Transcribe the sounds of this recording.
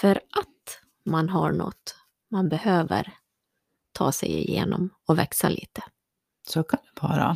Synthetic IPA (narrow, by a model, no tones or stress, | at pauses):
fœɾʔat̪ | manɦaɳɔ̰t̪ː | manbɛhøːvəɾ | t̪ʰɑːsɛjɪjeːnɔmɔvɛksalʔiːt̪ə̥ | sɔkʰand̪ɵbʰɑːɾa̰